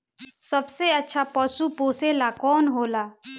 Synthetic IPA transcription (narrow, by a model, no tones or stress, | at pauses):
sɐbseətːʃʰapɔːsupoːselakɔːnɦoːlaː